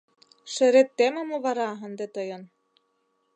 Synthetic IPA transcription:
ʃɘ̆ɾet̪ːemŏmŏβɑɾɑə̆nd̪et̪ɤjɤ̆n

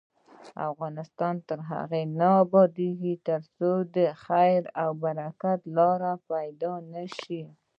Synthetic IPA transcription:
a̰fɣɑnɪst̪ɑnt̪əɾɦa̰ɣenaːbɑd̪iɡit̪əɾsod̪əxajɾawbaɾakat̪lɑɾapajd̪ɑnaʃi

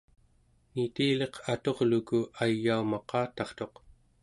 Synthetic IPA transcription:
nit̪iːle̞qʰat̪o̞ʁlukuajːaumɑqɑːt̪ɑχt̪o̞q

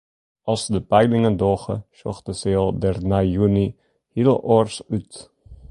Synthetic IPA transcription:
ʔɑlˠsdəpɛjlɪŋəndoːχə̰ʃɔ̰xtəseɔlˠdɛrnaːjyni | hilˠʔɔrsyt

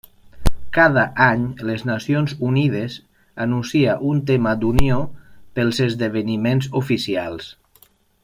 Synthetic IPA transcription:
kaðaʔaɲleznasionzunið̞əz | anunsiaʔunt̪emad̪uniopəlˠzəzðəβ̞ənimenzufisialˠs

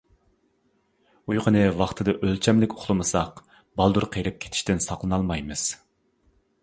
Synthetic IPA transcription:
ujʁənɨwɑχt̪ʰɨd̪ɨʔølt͡ʃʰɛmlɪkʲʰo̥χlˠɨmɨsɑq | bɑlˠd̪uɾqʰeɾɪp̚kʲʰe̥t̪ʰɪ̥ʃt̪ɪnsɑqlˠɨnɑlˠmɑjmɨz̥

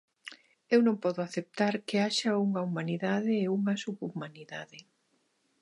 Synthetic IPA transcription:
ewnõŋpɔðʊaθep̚t̪aɾkeaʃɐuŋɐumaniðaðɪːuŋɐsuβumaniðaðɪ

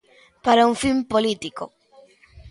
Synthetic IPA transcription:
paɾauŋfimpolit̪iko

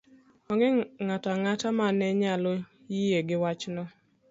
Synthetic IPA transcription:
ɔŋɡɪŋatɔaŋatamanɛɲalo | jijeɡɪwat͡ʃnɔ

